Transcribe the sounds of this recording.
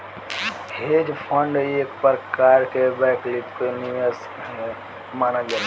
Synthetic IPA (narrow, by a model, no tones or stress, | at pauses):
hed͡ʒpʰə̃ɳɖekpəɾkaɾkebɛklipkonijəs | ɦe | manəld͡ʒan